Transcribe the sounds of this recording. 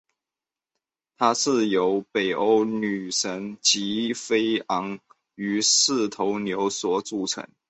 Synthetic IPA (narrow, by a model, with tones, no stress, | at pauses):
t̪ʰa˥ʂɻ̩˥˩jo˧˥ʊpe˨˩ɪʔo˥ʊny˨˩ʂə˧˥ŋt͡ɕi˧˥fe˥ɪɑ˧˥ŋ | y˧˥ʂɻ̩˥˩t̪ʰo˧˥ʊnjo˧˥ʊswɔ˨˩˦t͡su˨˩ʈ͡ʂʰə̰˧˥ŋ